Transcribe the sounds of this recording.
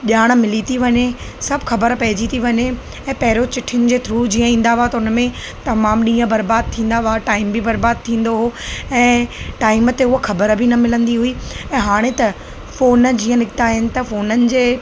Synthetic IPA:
ʄaːɽ̃̆mɪlit̪ʰiʋɐɲesɐbʱxɐbəɾpɐɦɪd͡ʑit̪ʰiʋɐɲe | ɛ̃ːpɐɦɪɾot͡ɕɪʈʰɪnɪ̆d͡ʑeːt̪ʰɾud͡ʑiːə̃ĩːn̆d̪aat̪ɐʊnəmẽ | t̪ɐmaːmɗĩːə̃bɐɾbaːd̪̚t̪ʰĩːnd̪aʋaʈaːɪmbibɐɾbaːd̪̚t̪ʰĩːn̆d̪oɦoɛ̃ːʈaːɪmət̪eʊɦxɐbəɾbʱinɐmɪlə̃nd̪iɦuiɛ̃ːɦaːɽ̃et̪ɐ | foːnd͡ʑiːə̃nɪkɪt̪aɦɪnɪ̆t̪ɐfoːnənɪ̆d͡ʑeː

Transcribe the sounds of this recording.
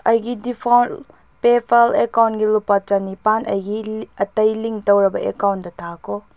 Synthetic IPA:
ɐjɡidipʰawn | pepʰɐlekawnɡilupat͡ʃanipanʔɐjɡiɐtɐjliŋtɐwɾɐbɐʔḛkawndɐtʰakʰɔ

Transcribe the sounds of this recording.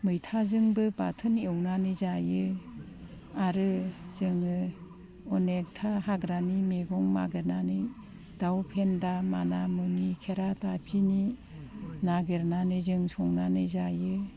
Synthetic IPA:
mɯjtʰazɯŋbɯbatʰɯnewnanɯzajɯ | aɾɯz̥ɯŋɯ | ɔnek̚tʰahaɡɾanimeɡɔŋma̰ɡɯɾnanɯj | d̥awpʰendamanamɯnikʰeɾatapʰini | naɡɯɾnanɯzɯŋsɔŋnanɯzajɯ

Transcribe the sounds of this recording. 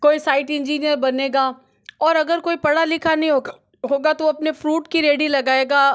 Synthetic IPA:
koːisaːɪʈɪ̃nd͡ʒiːnijəɾbɐneːɡaː | ɔːɾɐɡəɾkoːipɐɽalɪkʰanɐɦĩɦo | ɦoːɡat̪oɐpnefɾuːʈkiɾeːɽilɐɡaːeːɡaː

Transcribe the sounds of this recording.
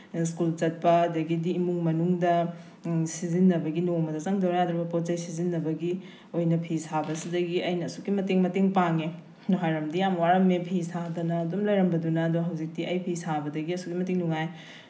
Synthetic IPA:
skult͡ʃɐt̚pɐːdɐɡidiːmuŋmɐnuŋdɐ | sizinːɐbɐɡinoŋmɐdɐt͡ʃaŋdɐwɾɐjad̪ɾɐbɐpott͡ʃɐjsizinːɐbɐɡi | ojnɐpʰisabɐsidɐɡiɐjnɐːsukːimɐteŋmɐteŋpaŋe | nuɦajɾɐmdijamwaɾɐmːepʰisadɐnɐːdumlɐjɾɐmbɐdunɐːduɦɐwzik̚tiɐjpʰisabɐdɐɡiɐsukimɐteŋnuŋaj

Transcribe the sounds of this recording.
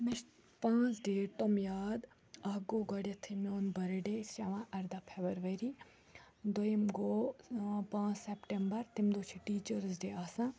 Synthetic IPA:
miʃ | pãːt͡sɖeːt̪omjaːd̪ | ɐɦɡoːɡɐɽjɐt̪ʰimʲoːnbɐɾɐɖesɐʋãʔɐɾd̪apʰebɐɾʋɐɾi | d̪ojimɡoːpãːt͡ssepʈembɐɾt̪imd̪oːt͡ʃʰiʈiːt͡ʃəɾsɖeːaːsã

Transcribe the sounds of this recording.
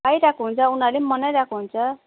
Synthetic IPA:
ajɾakʰuɦunt͡sʰʌunaɾlemʌnajɾakʰuɦunt͡sʰʌ

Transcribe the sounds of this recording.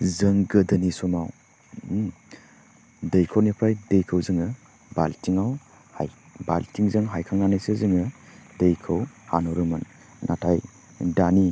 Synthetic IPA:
zɯŋɡɯdənisɔmaw | dəjkʰawnipʰajdəjkʰɯwzɯŋɯ | baltiŋaw | haj | baltiŋzɯŋɦajkʰaŋːanajsezɯŋɯdəjkʰɯwhanɔɾɯmɯnː | ʔatʰaj | dani

